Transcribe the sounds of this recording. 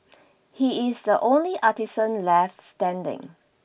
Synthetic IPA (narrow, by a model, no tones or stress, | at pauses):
hiɪsdəʔõnliʔatisə̃nlɛftstɛ̃ndɪ̰̃ŋ